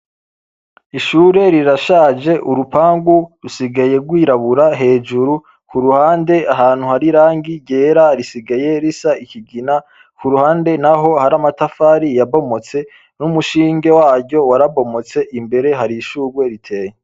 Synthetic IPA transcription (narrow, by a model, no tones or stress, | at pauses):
iʃuːɾe̞ɾiɾaʃaːd͡ʒe̞ʔuɾupaːŋɡuɾusiɡaje̞ɡwiːɾaβuɾaɦe̞ːd͡ʒuɾu | kuɾuhaːnde̞aɦaːn̥huhaɾiɾaːŋɡiɟeːɾaɾisiɡaje̞ɾisaiciɡina | kuɾuhaːnde̞naɦo̞haɾamatafaːɾijabo̞mo̞t͡se̞ | numuʃiːŋɡe̞waːɾɟɟo̞waɾaβo̞mo̞t͡se̞ʔimbe̞ɾe̞ɦaɾiʃuːɾwe̞ɾitʰe̞ːje